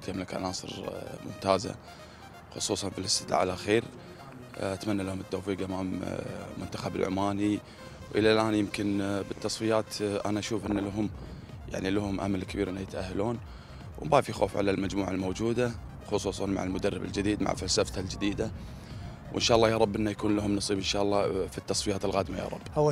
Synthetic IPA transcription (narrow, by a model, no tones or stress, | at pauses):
t̪jamlakʔa̰nɑːsˤɨ̰ɾmʊ̰mt̪aːza̰ | xʊsˤuːsˤɑnfilɪst̪ɪt̪ʔa̰ʕalʔaxiːɾ | ʔat̪manːalahʊmɪt̪ːowfiːɡʔamaːmmʊnt̪ḁxabɪ̰lʕʊ̰maːni | wʔəlalʔaːnjɪmkɪnbət̪ːɑsˤfɪjaːt̪ʔa̰naʔaʃuːfʔɪnːalaɦʊm | ja̰ʕniləhʊmʔa̰malkɪbiːɾʔɪnːajɪt̪ʔahːaluːn | w̰baːfijxo̰ːfʕa̰lalmad͡ʒmuːʕalmowd͡ʒuːd̪a | xʊsˤuːsˤɑnma̰ʕalmʊd̪arˤːɪbɪld͡ʒɪd̪iːd̪ma̰ʕfalsaft̪ald͡ʒɪd̪iːd̪a | wʔɪ̰nʃaːʔɑlˤːɑːjɑɾˤɑbːʔɪnːajakuːnlaɦʊmnɑsˤiːbʔɪnʃaːʔlˤːɑfit̪ːɑsˤfɪjaːt̪ɪlɣaːd̪maja̰ːɾˤɑ̰bːhaw